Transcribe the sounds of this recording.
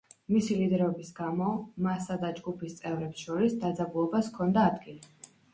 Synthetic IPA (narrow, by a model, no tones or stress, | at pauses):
misilid̪ɛɾɔbisɡamɔmasad̪ad͡ʒɡupʰist̪sʼɛvɾɛpsʃɔɾisd̪ad̪zabulˠɔbaskʰɔnd̪aːd̪ɡili